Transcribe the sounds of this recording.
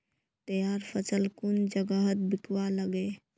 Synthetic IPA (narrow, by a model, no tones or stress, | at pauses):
t̪əjaːɾpʰət͡ʃəlkʊnd͡ʒəɡəɦət̪̚bɪkwaləɡe